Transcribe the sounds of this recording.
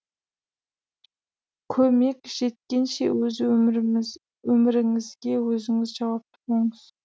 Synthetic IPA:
kʲʰɵme̞kʲʒ̥e̞t̪̚kʲenʃḛwɵzɪ | wɵmɪɾɪŋɪzɡʲe̞wɵzɪŋɪzʒɑwɑp̚t̪ʰʊ̥boŋəz̥

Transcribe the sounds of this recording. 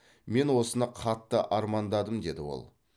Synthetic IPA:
me̞nwo̞sənɑqʰɑt̪ːəʔɑɾmɑnd̪ɑd̪əmd̪e̞d̪ɪwo̞̰lˠ

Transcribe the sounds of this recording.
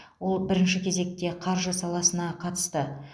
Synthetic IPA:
wo̞lˠbɪɾɪnʃɪkʲʰe̞ze̞k̚t̪e̞qʰɑɾʒəsɑlˠɑsənɑqʰɑt̪ə̥st̪ə

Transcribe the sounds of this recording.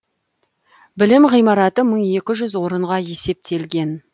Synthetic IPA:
bɪlɪmʁijmɑɾɑt̪əməɴe̞kʲɪʒʏzwo̞ɾəɴʁɑje̞se̞p̚t̪ʰe̞lɡʲe̞n

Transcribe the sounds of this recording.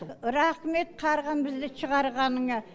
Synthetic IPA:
ɾɑqme̞t̪̚qʰɑɾʁɑnbɪzd̪ɪʃʰəʁɑɾʁɑnəŋɑ

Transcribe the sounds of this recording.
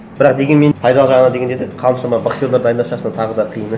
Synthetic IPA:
bɪɾɑq̚d̪e̞ɡʲenme̞pʰɑjd̪ɑlˠəʒɑʁənɑd̪e̞ɡʲe̞nd̪ed̪eqʰɑlˠəmʃɑmɑbɑksjold̪ɑɾd̪ɑjənd̪ɑpʃɑsɑnt̪ʰɑʁəd̪ɑqʰəjənə

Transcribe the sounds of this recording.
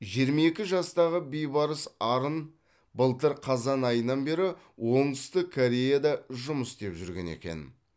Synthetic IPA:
ʒijəɾmɑe̞kʲɪʒɑst̪ɑʁəbejbɑɾəsɑɾən | bəlˠt̪əɾqʰɑzɑnɑjənːɑnbe̞ɾɪ | wo̞ɴəst̪əkʰoɾʲe̞jad̪ɑʒʊməsd̪e̞pʒʏɾɡʲe̞̰nḛkʲe̞̰n

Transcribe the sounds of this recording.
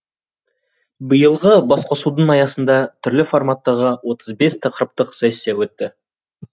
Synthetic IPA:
bəjəlˠʁəbɑsqʰo̞sud̪ənɑjɑsənd̪ɑt̪ʰʏɾlɪfo̞rmat̪ːɑʁəwo̞t̪ʰəzbe̞st̪ʰɑqəɾəp̚t̪əqsæjsːewɵt̪ːɪ

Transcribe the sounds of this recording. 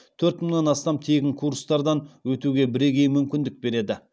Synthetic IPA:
t̪ʰɵɾt̪məɴnɑnɑst̪ɑmt̪ʰe̞ɡʲɪŋkʰuɾst̪ɑɾd̪ɑnwɵt̪uɡʲe̞bɪɾe̞ɡʲe̞jmʏmkʲɪnd̪ɪk̚be̞ɾe̞d̪ɪ

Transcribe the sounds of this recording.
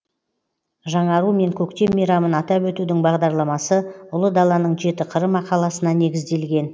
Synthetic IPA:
ʒɑɴɑɾume̞ŋkʲʰɵkt̪e̞mːijɾɑmənɑt̪ɑpwɵt̪ud̪ɪŋbɑʁd̪ɑɾlˠɑmɑsəʊlˠəd̪ɑlˠɑnəɴʒe̞t̪ɪqʰəɾəmɑqɑlˠɑsənɑne̞ɡʲɪzd̪e̞lɡʲe̞n

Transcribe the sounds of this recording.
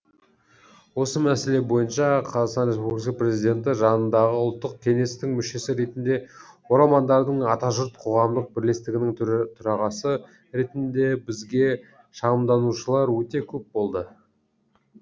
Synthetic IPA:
wo̞səmæse̞le̞bo̞jənʃɑqʰɑzɑqsɑnɾʲe̞spublikɑpre̞zijd̪ʲe̞nt̪̬ɪʒɑnənd̪ɑʁəʊlˠt̪ːəq̚kʲʰe̞ŋe̞st̪ɪŋmʏʃe̞sɪɾe̞t̪ɪnd̪e̞ | o̞ɾɑlˠmɑnd̪ɑɾd̪əɴɑt̪ɑʒəɾt̪̚qʰo̞ʁɑmd̪əq̚bɪɾle̞st̪ɪɡʲɪnɪŋt̪ʰʊɾɑʁɑsə | ɾe̞t̪ɪnd̪e̞bɪzɡʲe̞ | ʃɑʁəmd̪ɑnuʃəlˠɑɾwɵt̪e̞kʲʰɵp̚bo̞lˠd̪ə

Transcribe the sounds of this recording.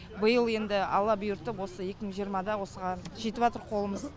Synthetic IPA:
bəjəlˠe̞nd̪ɪɑ̰lˠːɑbʊjʊɾt̪əpwo̞səje̞kʲɪməɴʒijəɾmɑd̪ɑwo̞səʁɑnʒet̪ɪβɑt̪əɾqʰo̞lˠəməz

